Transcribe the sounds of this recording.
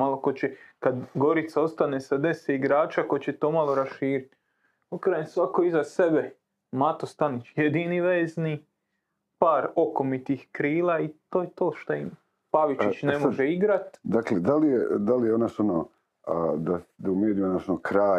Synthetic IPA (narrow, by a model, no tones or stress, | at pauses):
alokot͡ɕekad̪ɡo̞ɾit̪sao̞st̪anesad̪e̞seiɡɾaːt͡ʃako̞t͡ɕe̞t̪o̞ːmalˠo̞ɾaʃiːɾit̪ | okɾansʋakoizasebe | mat̪o̞st̪anit͡ʃjed̪iːniʋeːzni | paːɾo̞ko̞mit̪ixkɾiːlaːit̪oːjet̪oːʃt̪oim | paʋiit͡ʃnemoʒeiɡɾat̪d̪akled̪alijed̪alijeonaʃono | d̪ad̪aumjeːd̪ionaʃonokɾaː